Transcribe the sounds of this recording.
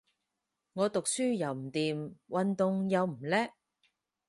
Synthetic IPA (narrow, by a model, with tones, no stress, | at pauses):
ŋɔː˨˧t̪ʊ˨k̚syː˥jɐ˨wm̩˨˩t̪iː˨mwɐ˨nt̪ʊ˨ŋjɐ˨˧wm̩˨˩lɛː˥